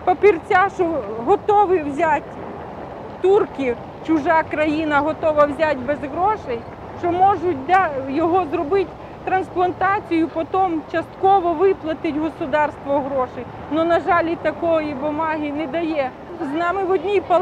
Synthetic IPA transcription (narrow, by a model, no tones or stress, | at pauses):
pɐpʲirt͡sʲaʃɔɦɔt̪ɔʋɪwzʲatʲ | t̪urkʲi | t͡ʃʊʒɑkɾɐjinɐɦɔt̪ɔʋɐwzʲatʲbɛzɦɾɔʃɛj | ʃt͡ʃɔmɔʒʊtʲd̪ɑjɔɦɔzrɔbɪtʲ | t̪ɾɐnsplˠɐnt̪ɑt͡sʲijʊpɔt̪ɔmt͡ʃɐst̪kɔʋɔʋɪplˠɐt̪ɪtʲɦɔsʊd̪ɑrst̪ʋɔɦɾɔʃɪj | nɔnɐʒɑlʲit̪ɐkɔjibʊmɑɦɪnɛd̪ɐjɛ | znɑmɪʋɔdʲnʲijpɐ